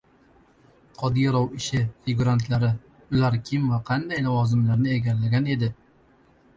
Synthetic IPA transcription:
qʰɒd̪ijɾɒwɪʃɪfɪɡuɾant̪laɾɪ | ʊlaɾkʲʰɪmvaqʰɑnd̪ajlɒvɒzɪmlaɾnɪeɡʲaɾlaɡʲane̞d̪ɪ

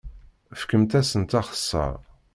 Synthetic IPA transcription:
fkəmt̪æsənt̪ɑχə̥sːɑ̰ɾˤ

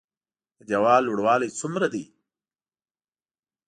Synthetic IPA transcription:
d͡ʒɐwɑːlːoɽwɑːlet͡sumɾad̪i

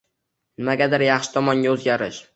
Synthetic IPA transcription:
nɪmaɡʲad̪ɪɾjɑχʃɪ̥t̪ʰɒmɒŋɡʲaɵzɡʲaɾɪ̰ʃ

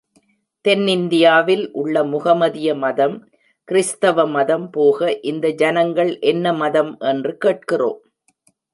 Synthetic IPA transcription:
t̪ɛnːɪnd̪ɪjaːʋɪlʔʊɭːɐmʊɣɐmɐðɪjɐmɐðɐm | kɪɾɪst̪ɐʋɐmɐðɐmpoːɣɐʔɪnd̪ɐd͡ʒɐnɐŋɡɐɭʔɛnːɐmɐðɐmʔɛndrɯkeːʈ̚kɪro̰ːm

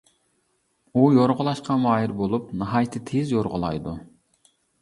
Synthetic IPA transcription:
ujoɾʁʊlˠɑʃqʰɑmɑːɦiɾbolˠupnɑɦɑjt̪ʰɪt̪ʰezjoɾʁʊlˠɑ̰jd̪u

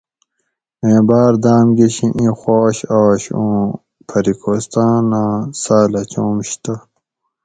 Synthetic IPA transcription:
ẽːbaːɾd̪aːmɡiɕĩʔĩxoːɕaːɕõː | pʰɐɾikʰoːst̪ãːnãːsaːlɐt͡ɕoːmɕt̪a

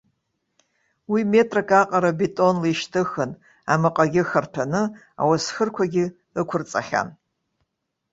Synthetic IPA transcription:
wimetʼrakʰʼaqʼaɾabetʼo̞nliʃtʰɨxɨn | a̰mɨqʼaɡʲɪxɐrtʰanɨ | a̰wasxɨrkʷʰaɡʲɪ | ɨkʷʰʊrt͡sʼaχʲa̰n

